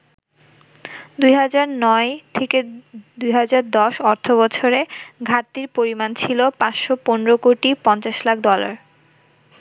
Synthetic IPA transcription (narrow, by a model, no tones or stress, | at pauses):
d̪ujɦad͡ʑaɾnɔet̪ʰeked̪ujɦad͡ʑaɾd̪ɔʃɔɾt̪ʰoβɔt͡ɕʰoɾeɡʱat̪ːiɾpoɾimant͡ɕʰilopãt͡ɕʃoponeɾokoʈipɔnt͡ɕaʃlakʰɖɔla̰ɾ